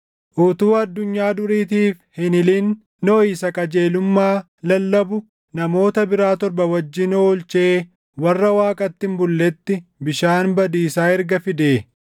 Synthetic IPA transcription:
ʔut̪uːɐd̪ːʊɲːaːd̪ʊɾiːt̪iːfhɪnɪlinː | ɔiːsɐkʼɐd͡ʒe̞ːlʊmːaː | lɐlːɐbʊ | nɐmo̞ːt̪ɐbɪɾaːt̪ɔɾbɐwɐd͡ʒːɪnoːlt͡ʃe̞ː | wɐrːɐwaːkʼɐt̪ːɪmbʊlːɛt̪ːɪbɪʃaːnbɐd̪iːsaːɛɾɡɐfɪd̪eː

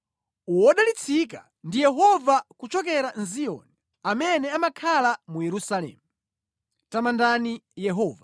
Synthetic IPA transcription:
uwɔɗalit͡sʰika | ndijɛɦɔvakut͡ʃɔkɛɾanzijɔ̰nɛ | amɛnɛamakʰalamujɛɾusalɛ̰ːmu | tamandanijɛɦɔːva

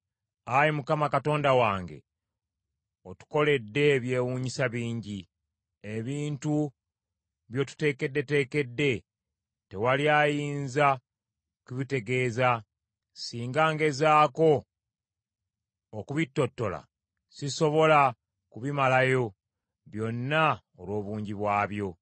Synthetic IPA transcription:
ajimukamakato̞ːndawaːŋɡe̞̰ | otu̥ko̞le̞dːe̞ːβje̞ːwuːɲisaβiːɲɟi | eβiːntu | βjo̞tu̥te̞ːke̞dːe̞te̞ːke̞dːe̞ | te̞waljaːjiːnza | kuβite̞ɡe̞ːza | siːŋɡaːŋɡe̞zaːko̞ | kuβitːo̞tːo̞la̰ | siso̞βo̞la | kuβimalajo̞ | βjo̞nːa | olwo̞ːβuːɲɟiβwaːβjo̞

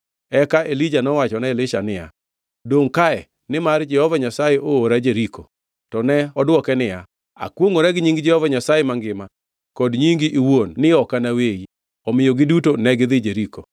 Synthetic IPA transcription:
ɛkaʔelid͡ʒanɔwat͡ʃɔnaelɪʃanɪja̰ | doŋkaɛ | nɪmard͡ʒɛhɔvaɲasajeʔooɾad͡ʒeɾiko | tɔnɛɔdwɔkɛnɪja | a̰kwoŋoɾɛɡɲiŋɡd͡ʒɛhɔvaɲasajemaŋɡɪma | kɔdɲiŋɡiʔiwonːɪɔkanawei | ɔmɪjoɡɪdutonɛɡɪðɪd͡ʒeɾiko

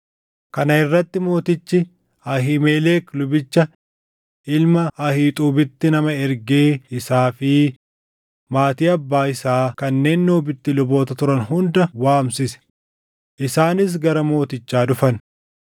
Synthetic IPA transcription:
kɐnɐɪrːɐt̪ːɪmo̞ːt̪ɪt͡ʃːɪ | ɐɦiːmeːleːklʊbɪt͡ʃːɐ | ʔɪlmɐɐhiːt̪ʼuːbɪt̪ːɪnɐmɐɛɾɡeːɪsaːfɪ | maːt̪iːɐbːaːɪsaːkɐnːe̞ːnːoːbɪt̪ːɪlʊbo̞ːt̪ɐt̪ʊɾɐnɦʊnd̪ɐwaːmsɪsɛ̥ | ʔɪsaːnɪs̬ɡɐɾɐmo̞ːt̪ɪt͡ʃːaːᶑʊfɐn

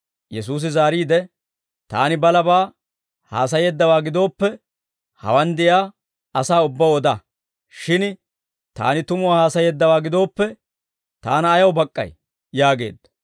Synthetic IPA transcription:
jɛs̬uːs̬ɪzaːɾiːd̪ɛ | t̪a̰ːnɪbɐlɐbaː | ha̰ːs̬ɐjeːd̪ːɐwaːɡɪd̪o̞ːpːɛ | hɐ̰wɐnd̪ɪjaː | ɐsaːʊbːɐwɔd̪ɐ | ʃɪn | t̪a̰ːnɪt̪ʊmʊwaːhaːsɐjeːd̪ːɐwaːɡɪd̪o̞ːpːɛ | t̪aːnɐːjɐwbɐkʼːɐ̰j | jaːɡe̞̰ːd̪ːɐ̥

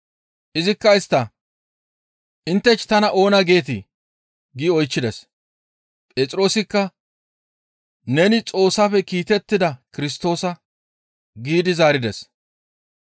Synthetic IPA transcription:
ʔɪzɪkːɐɪst̪ːɐ | ʔɪnt̪ːɛt͡ʃːɪ̥t̪ɐnɐʔo̞ːnɐɡe̞ːt̪̬ɪ | ɡiɔjt͡ʃːɪd̪ɛs | pʼeːt͡sʼɪɾo̞ːsɪkːɐ | nɛnɪt͡sʼo̞ːsːafɛkiːt̪ɛt̪ːɪd̪ɐkɪɾɪst̪o̞ːsɐ | ɡiːd̪ɪzaːɾɪd̪ɛs

